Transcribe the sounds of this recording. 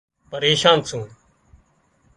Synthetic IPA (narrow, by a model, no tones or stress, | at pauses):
pəɾeːʃãːnsʰũː